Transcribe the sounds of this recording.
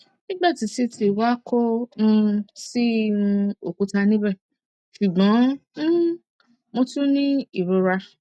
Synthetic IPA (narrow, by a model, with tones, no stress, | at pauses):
nĩ˦ɡ͡ba˦˨ti˨˦si˦tʰi˨˧˨wa˦kʰo˦nũ˧si˦ñ˧o˨kũ˨˧˦ta˧nĩ˦bɛ˦˨ | ʃu˨ɡ͡bɔ̃˨˦u˦ | mõ˧tu˦nĩ˦i˦˨ɾo˨˧˦ɾa˧